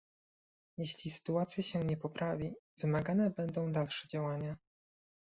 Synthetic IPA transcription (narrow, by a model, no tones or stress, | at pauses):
jeɕlʲisɘ̥t̪uat̪sʲjaɕɛɲɛpɔpɾavʲi | v̥ɘmaɡanɛbɛnd̪ɔ̃w̃d̪alʂɛd͡ʑawaɲa